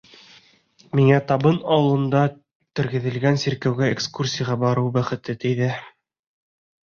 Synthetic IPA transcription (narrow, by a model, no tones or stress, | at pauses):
miŋæt̪ɑbɤnɑwɤ̆lˠɤ̆nd̪ɑ | t̪ɘ̆ɾɡɘ̆ðɘ̆lɡænsiɾkæwɡæekskursʲijaʁɑbɑɾɤwbæχɘ̆t̪ɘt̪ɘ̆jðɘ